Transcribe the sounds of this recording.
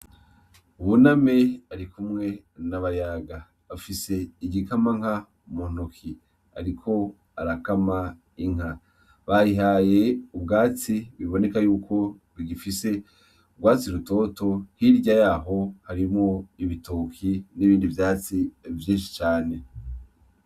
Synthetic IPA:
uβuname̞aɾikumŋe̞ | naβajaɡa | βafise̞iɟikamaŋ̥ha | mun̥ukʰi | a̰ɾikʰo̞ | aɾakama | iŋ̥a | βajiɦaje̞ubɡaːt͡siβiβo̞ne̞kajuːkʰo̞ | βiɡifise̞ | uɡwaːt͡siɾuto̞to̞hiɾɟajaːɦo̞haɾimŋoiβitoːkʰiniβiːndivjaːt͡sivjiːnʃi̥t͡ʃaːne̞

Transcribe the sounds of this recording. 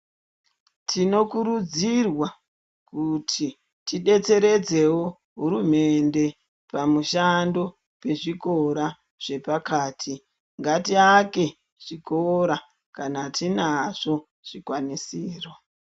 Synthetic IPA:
tʰino̞kuɾud͡zirwa | kutʰi | tiɗe̞t͡se̞ɾe̞d͡ze̞wo | ɦuɾume̞nde̞ | pamuʃando̞ | pe̞ʐiko̞ɾa | ʐ̥e̞pakaːtʰi | ŋɡatiake̞ | ʐ̥ikoɾa | kanatinaʐo̞ | ʐ̥ikwanisiːro̞

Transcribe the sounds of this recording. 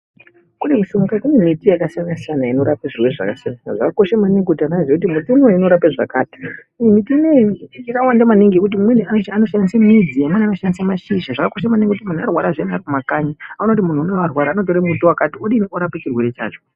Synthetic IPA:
kunemusuŋɡakunemitijakasijanasijanaino̞ɾapeʐirwe̞rʐa̰kasjananaʐakako̞ʃamaneŋɡutananzekut̬imutunoino̞ɾapeʐa̰kaːtḁ | mitinejiikawandamaniŋɡiekut̬imweniaoano̞ʃandisamid͡zijamwenano̞ʃandisamaʃiʃaʐakako̞ʃamaniŋɡekutimun̤uarwaɾaʐjenarikumakaɲiaunot̬imun̤unaʋarwaɾaːno̞t̬oɾemutowakatioɗinioɾapet͡ʃirwe̞ɾe̞t͡ʃa̰ːt͡ʃo

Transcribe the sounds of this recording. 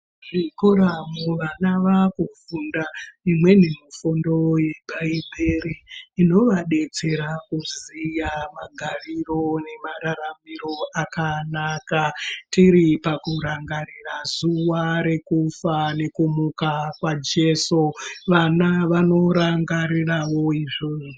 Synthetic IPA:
ʐikoɾamuʋanaʋakufundaimwe̞ninofundo̞je̞bʱaibʱeɾiːno̞ʋaɗe̞t͡se̞ɾakuzijamaɡʱaʋiro̞ne̞maɾaɾamiɾo̞akanakatiɾipakuɾaŋɡarirazuwaɾe̞kufane̞kumukakwad͡ʒe̞soʋanaʋano̞ɾaŋɡaɾirawo̞iʐoːu

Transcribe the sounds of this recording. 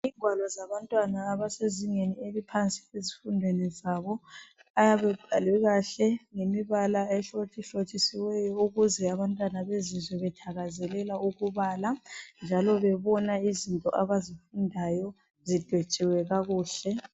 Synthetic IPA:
iːŋʱwalɔzaβantʼwanaːβaseziŋenielipʰant͡sʼi̥ezifundʱwenizaβɔ | ajaβɛb̥ʱalwɛɣaɬɛŋemiβalaɛɬotʰiɬot͡ʃʼisiwɛjɔuɣuzɛaβantʼwanaβezizwɛβɛtʰaɣazɛlɛlauɣuβaːland͡ʒʱalɔβɛβɔnaizintʼɔ̰ʔaβazifundʱajɔ | zid̥ʱwet͡ʃʼiwɛɣaɣuːɬɛ

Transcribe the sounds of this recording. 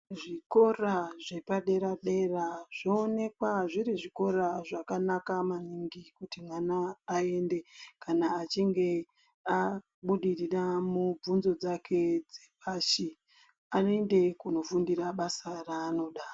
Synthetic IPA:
ʐiko̞raʐe̞paɗe̞ɾaɗe̞raʐ̥oːne̞kwaʐiɾiʐiko̞ɾaʐakanakamaniŋɡikutimwanaːe̞nde̞kanaːt͡ʃiŋɡe̞ | a | ɓuɗiriramub͡vunzo̞d͡zakʰe̞d͡zepaʃi | anoende̞kuno̞fundiraɓasaraːno̞ɗa

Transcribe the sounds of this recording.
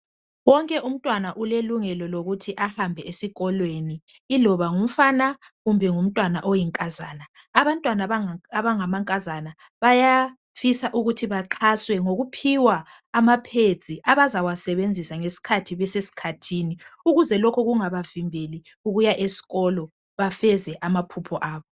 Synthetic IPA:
wɔŋkʼɛʔum̩tʼwanaʔuleluŋɛlɔloɣutʰiʔahambʱɛesiɣɔlweniː | lɔβaŋum̩fana | ɣumbʱɛŋum̩tʼwanaʔɔjiŋkʼazaːnaː | βantʼwanaaβaŋamaŋkʼazana | βaja | fisaʔuɣutʰiβaǁʰaswɛŋoɣupʰiwaː | mapʰe̥d͡z̥ʱʼiʔaβazawasɛβend͡zʱisaŋesi̥kʰatʰiβɛsesi̥kʰatʰiːniuɣuzɛlɔkʰɔɣuŋaβavimbʱeli | uɣujaʔesi̥ɣɔlɔ | βafɛzɛʔamapʰupʰɔʔaːβɔ

